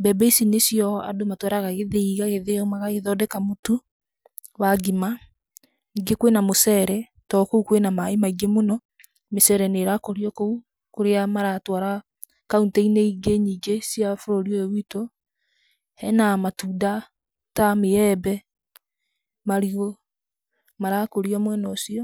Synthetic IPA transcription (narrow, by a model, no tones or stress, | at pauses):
bɛbɛisinesjɔa̰domatwaɾaɣaɣeðeiɣaɣeðeɔmaɣaɣeðɔdɛkamotu | waɡima | niɡekwenamosɛɾɛ | tɔkoukwenamaimaiɡemonɔ | mesɛɾɛneɾakoɾiɔkou | koɾeamaɾatwaɾa | kauntɛineiɡeɲiːɡesjafoɾoɾiɔewito | hɛnamatuːda | tameɛbɛ | maɾio | maɾakoɾiɔmwɛnɔːsiɔ